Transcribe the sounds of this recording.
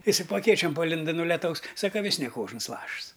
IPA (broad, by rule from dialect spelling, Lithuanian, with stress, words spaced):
ˈɪsɐɪ poː ɐˈkʲeːt͡ʃʲoːm pɐˈlʲɪndɐ nʊ lʲɛˈtɐʊs ˈsɑːkɐ ˈʋʲɪs nʲɛ ˈkoːʒns ˈlˠɐʃs